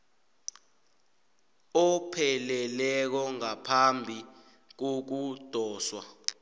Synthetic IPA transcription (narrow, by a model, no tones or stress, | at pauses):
ɔpʰɛlɛlɛk̬ɔŋapʰambʱi | k̬ok̬ud̥ʱɔːswa